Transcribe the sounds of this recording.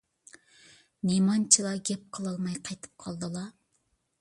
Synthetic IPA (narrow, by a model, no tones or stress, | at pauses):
nemɑnt͡ʃʰilˠɑɡʲɛp̚qʰəlˠɑlˠmɑjqʰɑjt̪ʰɨ̥p̚qʰɑlˠd̪ɨlˠɑ